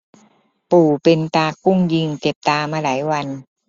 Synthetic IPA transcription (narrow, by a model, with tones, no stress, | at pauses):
puː˨˩pe˧nt̪aː˧ku˥˩ŋji˧ŋt͡ɕe˨˩p̚t̪aː˧maː˧laː˩˦jwa˧n